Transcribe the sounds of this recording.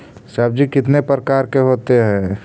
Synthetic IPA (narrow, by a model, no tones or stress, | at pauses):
saːb̚d͡ʒikɪt̪nepɾəkaːɾkeɦoːt̪eɦɛ̃